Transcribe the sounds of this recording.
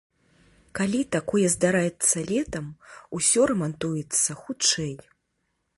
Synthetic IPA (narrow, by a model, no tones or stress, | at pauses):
kalʲit̪akɔjɛzd̪aɾajɛt̪sːɐlʲɛt̪ɐmusʲɔɾɛmant̪ujɛt̪sːɐxut͡ʂɛj